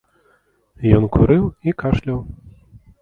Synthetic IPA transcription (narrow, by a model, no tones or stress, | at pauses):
jɔnkuɾɨwikaʂlʲɐw